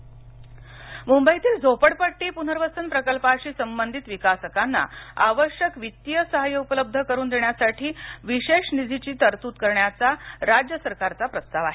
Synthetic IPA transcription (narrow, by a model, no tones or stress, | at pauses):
mumbəit̪iːld͡zʱopəɽpəʈːiːpun̤əɾʋəsənpɾəkəlpaɕiːsəmbənd̪ʱit̪ʋikasəkanːa̰aʋəɕjəkʋit̪jəsəɦajəupələb̚d̪ʱəkəɾuːnd̪eɳjasaʈʰiːʋiɕeʂnid͡zʱit͡ɕiːt̪əɾt̪uːt̪kəɾɳjat͡saɾad͡ʑjəsəɾkaɾt͡sapɾəst̪aʋaɦe